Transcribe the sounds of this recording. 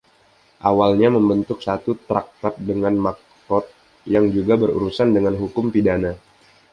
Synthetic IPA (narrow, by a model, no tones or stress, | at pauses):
ʔawalɲaməmbənt̪ʊk̚sat̪ut̪ɾak̚t̪ɔt̚dəŋanmak | kɔt̪̚ | jaŋd͡ʒuɡabəɾṵɾusandəŋanɦukʊmpidana